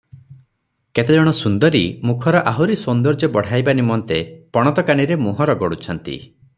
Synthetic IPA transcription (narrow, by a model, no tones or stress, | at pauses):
ket̪ed͡ʒɔɽ̃ɔsund̪ɔɾimukʰɔɾɔʔaɦuɾisɔnd̪ɔɾd͡ʒɔbɔɽ̤ajbanimɔnt̪epɔɽ̃ɔt̪ɔkaɽ̃iɾemuɦɔɾɔɡɔɽut͡ʃʰɔnt̪ḭ